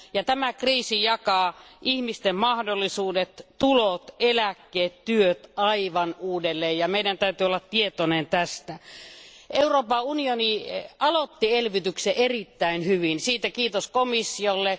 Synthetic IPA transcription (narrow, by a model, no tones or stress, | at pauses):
jɑt̪æmækriːsijɑkɑːʔihmist̪emmɑhdolːˑisuːdet̪t̪ulot̪elækːeːt̪t̪yøt̪ɑiʋɑnuːdelːeːjjɑmeidænt̪æyt̪yolːɑt̪t̪iet̪onent̪æst̪æ | euroːpɑunioniɑlot̪ːielʋit̪ykseʔerit̪ːæinhyʋinsiːt̪ækiːt̪oskomisːiolːe